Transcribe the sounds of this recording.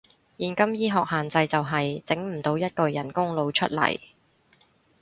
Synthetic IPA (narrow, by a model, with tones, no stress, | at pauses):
jiː˨nkɐ˥mjiː˥ɦɔː˨k̚haː˨nt͡sɐ˧jt͡sɐ˨wɦɐ˨jt͡sɪ˨˥ŋm̩˨˩t̪o˨˧wjɐ˥t̚kɔː˨˧jɐ˨˩nkʊ˥ŋlo˨˧wt͡ʃʰɵ˥t̚lɐ̰˨˩j